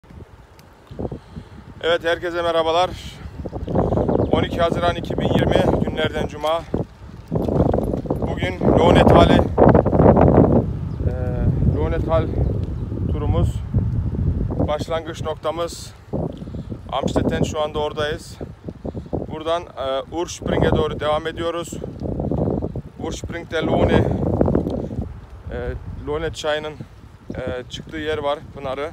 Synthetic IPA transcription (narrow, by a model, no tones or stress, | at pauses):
ɛvɛt̪hæɾcezɛmɛɾabalˠaɾ | o̞nicʰiɦazɯɾanicʰibinjiɾmiɟynlʲæɾd̪ænd͡ʒumaː | buɟynjʲonet̪valʲ | nonet̪alʲ | t̪ʰuɾumuz̥ | b̥aʃlˠaŋɡɯt͡ʃno̞kt̪ʰamɯz̥ | a̰mʃt̪ʰɛt̪ʰɛnʃuand̪ao̞ɾd̪ajɯz̥ | buɾd̪anːuɾʃpɾiŋkɛd̪oːɾud̪e̞vame̞d̪ijo̞ɾuz̥ | uɾʃpɾiŋk̚t̪ɛlʲune | lʲonɛt͡ʃʰajɯnɯn | t͡ʃʰɯ̥kt̪ʰɯːjɛɾvaɾbunaɾɯ